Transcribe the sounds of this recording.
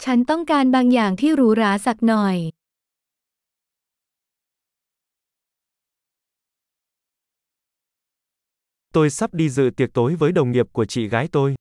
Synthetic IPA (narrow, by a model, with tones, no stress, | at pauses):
t͡ɕʰa˨˦nt̪ɔ˥˩ŋkaː˧nɓaː˧˩ŋjaː˨˩ŋt̪ʰi˧˩ɾuː˨˦ɾaː˨˦sa˨˩k̚nɔ˨˩j | t̪o˧jsa˦˥p̚ɗi˧zɨ̰˧˨t̪i˨˩ək̚t̪o˨˦jvəː˨˦jɗə˨˩wŋ͡mŋi˨˩əp̚ku˧˩ət͡ɕḭ˧˨ɣaː˨˦jt̪o˧j